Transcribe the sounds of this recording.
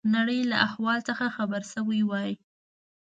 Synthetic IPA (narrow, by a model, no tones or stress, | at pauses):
naɽəjlaʔahwɑlt͡səxaxabəɾsəwiwɑji